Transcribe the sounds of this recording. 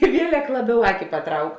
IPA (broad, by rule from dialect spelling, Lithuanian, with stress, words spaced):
ɪ ˈʋʲiɛlʲɛk ˈlˠɑːˌbʲɛʊ ˈɑːkʲɪ pɐˈtrɐʊk